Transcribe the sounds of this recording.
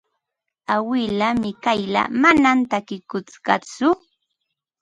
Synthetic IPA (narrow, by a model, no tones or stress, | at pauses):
awɪlamɪkajla̰manamnt̪akɪkʊt͡skɑ̰t͡sʊ